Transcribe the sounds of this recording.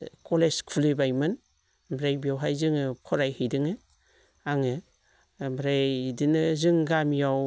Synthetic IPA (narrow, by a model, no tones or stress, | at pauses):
koleskʰulibajmɯn | bɾajbijawɦajzɯŋɯkʰɔɾajhɯjdɯŋɯ | aŋɯ | bɾajdinɯzɯŋɡamjaw